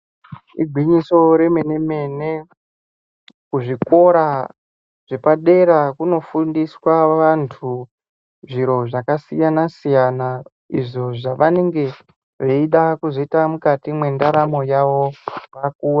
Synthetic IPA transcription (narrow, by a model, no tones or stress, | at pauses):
ḭɡʱwiɲiso̞ɾe̞me̞neme̞ne | kuʐiko̞ɾa | ʐ̥e̞paɗe̞ɾakuno̞fundiswaʋantʰu | ʐiɾo̞ʐakasijanasijana | ḭʐo̞ʐaʋane̞ŋɡe̞ | ʐeiɗakuzo̞itamukatimwe̞ndaɾamo̞jaʋo̞ʋak̚uːra